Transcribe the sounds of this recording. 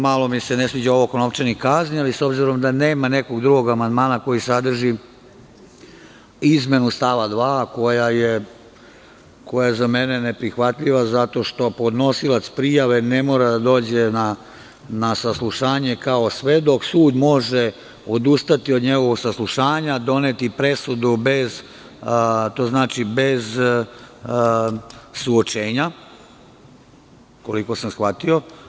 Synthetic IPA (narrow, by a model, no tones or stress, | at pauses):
malˠo̞misenesʋid͡ʑaoʋokonopt͡ʃenikaznialiso̞bziɾo̞md̪aneːmaneko̞ɡd̪ɾuɡo̞ɡamand̪maːnako̞jisad̪r̩ʒi | izme̞nust̪aʋad̪ʋaːko̞jaje | ko̞jajezamenenepɾixʋat̪ʎiʋazat̪o̞ʃt̪o̞po̞d̪no̞silat̪spɾijaʋe̞nemoːɾad̪ad̪o̞ːd͡ʑena | nasaslˠuʃaːɲekaosʋed̪o̞ksuːd̪mo̞ʒe | od̪ust̪at̪iod̪ɲe̞ɡo̞ʋoɡsaslˠuʃaːɲad̪o̞net̪ipɾe̞sud̪ube̞z | t̪oːznaːt͡ʃibez | suot͡ʃeːɲa | ko̞liko̞samsxʋat̪io̞